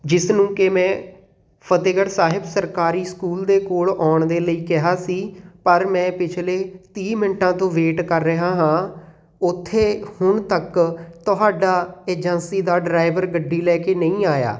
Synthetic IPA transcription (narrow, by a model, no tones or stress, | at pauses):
d͡ʒɪsnũːkemɛ̃ː | pʰət̪eːɡəɽsaːɦɪbsəɾkaːɾiːskuːld̪eːkoːɭɔːɳd̪eːləiːkɪɦaːsiːpəɾmɛ̃ːpɪt͡ʃʰleːt̪iːmɪnʈãːt̪õːʋeːʈkəɾːəɦaːɦãː | ʊt̪ʰːeːhʊɳt̪əkt̪ʊɦaːɖaːeːd͡ʒənsiːd̪aːɖɾaːɪʋəɾɡəɖːiːlɛːkeːnəĩːaːja̰ː